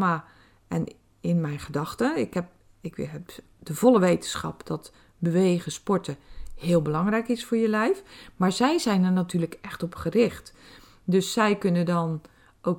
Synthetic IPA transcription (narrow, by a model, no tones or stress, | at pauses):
ma | ɛn | ɪnmɛjnχədɑxtəɪkɛp̚ | ɪkɛp | dəvɔlˠəʋeːtənsxɑ̰pd̥ɔt | bəʋeːɣəspɔɹtəhɪːlˠbəlɑŋrɛjkɪsfʊːɹjəlɛjfmaɹzɛjzɛjnərnatʰyːrləkɛxtɔpχərɪxt | døsːɛjkønədɔn | o